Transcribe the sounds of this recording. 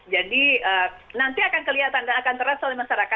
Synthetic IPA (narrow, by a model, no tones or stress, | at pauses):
d͡ʒadiənant̪iakankəliɦat̪andaːkant̪əɾasolɛmaʃaɾaka